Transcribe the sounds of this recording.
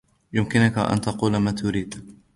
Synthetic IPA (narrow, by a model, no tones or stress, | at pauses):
jʊmkɪnʊkaʔa̰nt̪ɑquːlmaːt̪ʰʊɾiːd̪